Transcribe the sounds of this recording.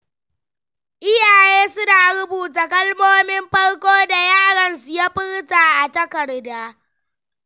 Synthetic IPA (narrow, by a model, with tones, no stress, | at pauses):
ʔɪ˦jaː˨jeː˦sʊ˦naː˨ɽʊ˦buː˨ta˨kɐ˦lmoː˦mɪ˦mɸɐ˦ɽkʷoː˦da˨jaː˦ɽɐ˨nsʊ˨ja˦ɸɪ˦ɽtaː˨ʔa˨tɐ˦kɐ˨ɽdaː˦